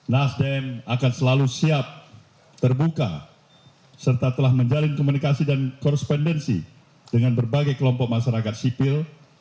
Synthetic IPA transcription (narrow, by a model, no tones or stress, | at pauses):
nasdɛmakansəlalusiap̚ | t̪ərbuka̰ | sərt̪at̪əlahməɲd͡ʒalɪnkɔmunikasidankɔɾɛspɔndɛnsḭ | dəŋanbərbaɡajkəlɔmpɔk̚maʃaɾakat̪̚sipɪl